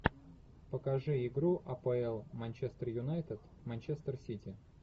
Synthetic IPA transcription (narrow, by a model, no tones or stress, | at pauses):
pəkɐʐɨɪɡɾuʔɐpɐɛlˠmɐnʲt͡ɕest̪ərjʊnajt̪ɪt̪ | mɐnʲt͡ɕest̪ərsʲitʲɪ